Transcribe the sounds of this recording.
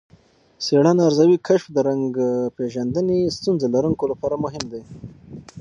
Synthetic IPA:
seɽanaɾzawikʰaʃfd̪əɾaŋɡpeʒand̪ənest̪unzalaɾəŋkolapɑɾamʊɦɪmd̪e

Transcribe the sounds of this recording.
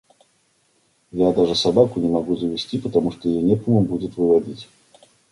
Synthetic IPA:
jad̪aʐɨsabakʊnʲɪmɐɡuzəvʲɪsʲtʲipət̪ɐmuʂt̪ojɪjonʲɛpəməmbudʲɪt̪vɨvɐdʲitʲ

